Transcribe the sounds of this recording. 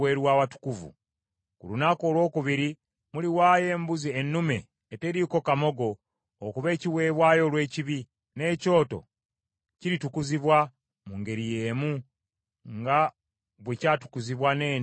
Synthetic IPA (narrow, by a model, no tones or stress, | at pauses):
weːɾwaːwatu̥kuvṵ | kṵlunako̞ːlwo̞ːkuβiɾi | muliwaːje̞ːmbuzienːume̞ː | teɾiːko̞kamo̞ɡo̞ː | kuβe̞ːciwe̞ːβwaːjo̞lwe̞ːciβi | ne̞ːco̞ːto̞̰ | ciɾitukuziβwa | muːŋɡe̞ɾije̞ːmu | ŋɡa | βwecaːtu̥kuziβwaneː